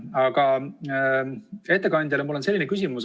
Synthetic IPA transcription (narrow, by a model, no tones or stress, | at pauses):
ɑɡ̥ɑ | e̞t̪ːe̞kɑnʲd̪̥ʲjɑlemulːo̞nse̞lːinekys̬ʲimus